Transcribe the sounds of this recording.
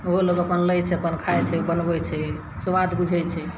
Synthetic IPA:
oɦoloɡəpənləjt͡ʃʰɛpənkʰajt͡ʃʰɛbənbɛt͡ʃʰɛ | suʋad̪bud͡ʒʱɛjt͡ʃʰɛ

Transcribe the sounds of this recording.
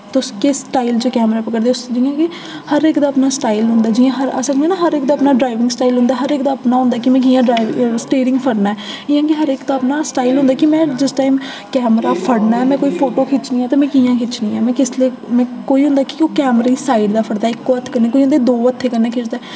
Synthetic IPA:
t̪oskɪsʈaːilt͡ʃəkɛːmɾaːpəkəɾd̪eːʊsd͡ʒiːjãːkɪ | həɾɪkd̪aːəpnaːsʈaːilɦʊ̃nd̪aːd͡ʒijãːɦəɾa̰səkneːnaːɦəɾɪk̚d̪aːəpnaːɖɾaːɪʋɪ̃ŋɡsʈaːilɦʊ̃nd̪aːɦəɾɪkd̪aːəpnaːɦʊ̃nd̪aːkɪmɛ̃ːk̬iːjãːɖɾaːsʈeːɾɪŋɡpʰəɽnaːɛ | ɪjãːkɪɦəɾɪkd̪aːəpnaːsʈaːilɦʊ̃nd̪aːkɪmɛ̃ːd͡ʒɪsʈaːim | kɛːmɾaːpʰəɽnaːɛːmɛ̃ːkoːiːpʰoːʈoːkʰɪt͡ʃnĩːɛːt̪aːmɛ̃ːkiːjãːkʰɪt͡ʃnĩːɛːmɛ̃ːkɪsleː | mɛ̃ːkoːiːɦʊ̃nd̪aːkɪokɛːmɾiːsaːiɖd̪aːpʰəɽd̪aːɪkːoːət̪ʰːkəɾneːkoːiːɦʊnd̪eːd̪oːət̪ʰːeːkəɾneːkʰɪt͡ʃd̪aː

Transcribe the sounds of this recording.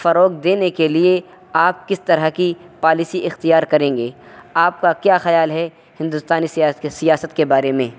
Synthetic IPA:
fɐɾoːk̚d̪eːnekelie | aːp̚kɪst̪ɐɾəɦkipaːlɪsiʔɪxt̪ijaːɾkɐɾẽːŋɡeːaːp̚kakjaːxɐjaːlɦɛ | hɪ̃nd̪ʊst̪aːnissijaːsət̪kebaːɾemẽ

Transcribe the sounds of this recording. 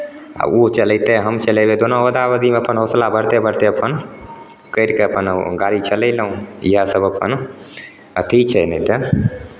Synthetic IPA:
a̰ot͡ʃəlɛt̪eɦəmt͡ʃəlebed̪onowəd̪aʋəd̪imeəpənɦoslabʱəɽt̪ebʱəɽt̪eəpən | kəɪɾkeəpənɡaɾit͡ʃələɪləɦũiɦəsəbəpə̰n | ə̰t̪ʰit͡ʃʰɛnɛt̪ə

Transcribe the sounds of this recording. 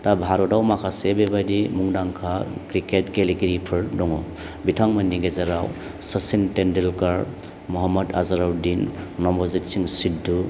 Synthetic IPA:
tabʱaɾɔdawmakʰasebebajdimuŋdaŋkʰakɾiketkeliɡiɾipʰɯɾdɔŋɔ | bitʰaŋmɐnːiɡezaɾaw | sɐsintendelkaɾ | muɦɔmːɐdazaɾawdinːɔmbɔzitsiŋsidu

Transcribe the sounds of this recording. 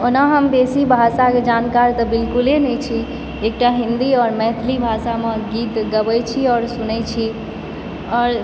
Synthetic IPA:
onaɦəmd̪esibʱasaked͡ʒankaɾt̪əbilkulenɛt͡ʃʰi | ek̚ʈaɦind̪iɔːɾmɛt̪ʰlibʱasameɡit̪ɡəbɛjt͡ʃʰiɔːɾsunɛt͡ʃʰi | ɔːɾ

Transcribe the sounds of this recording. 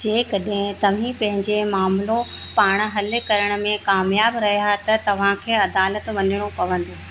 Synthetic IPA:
d͡ʑeːkɐɗɦɪ̃t̪ɐʋ̤ĩpɐ̃ɦɪ̃ɲd͡ʑemaːmlo | paːɽ̃̆ɦɐlɪkɐɾəɽ̃ʊ̆mẽkaːmjaːbɾɐɦijaɦt̪ɐt̪ɐʋ̤ãkʰeːɐd̪aːlət̪ʋɐnɪɽ̃opɐʋə̃nd̪oː

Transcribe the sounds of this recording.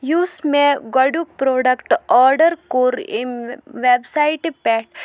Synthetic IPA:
juːsmẽɡɐɖuk̚pɾoːɖɐkʈɔːɾɖəɾkoːɾinʋebsaiʈpɛːʈ

